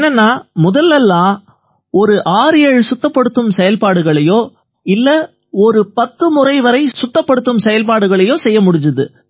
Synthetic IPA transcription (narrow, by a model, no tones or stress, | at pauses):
nːɛnːaːmʊðɐlːɛlːãː | ɔɾɯʔaːɾɪjɐɻsʊt̪ːɐpːɐɽɯt̪ːɯmsɛjɐlpaːɽɯɣɐɭɐjoː | ɪlːɐ | ɔɾɯpɐt̪ːɯmʊrɐɪʋɐɾɐɪsʊt̪ːɐpːɐɽɯt̪ːɯmsɛjɐlpaːɽɯɣɐɭɐjoːsɛjːɐmʊɽɪɲd͡ʒɐðɯ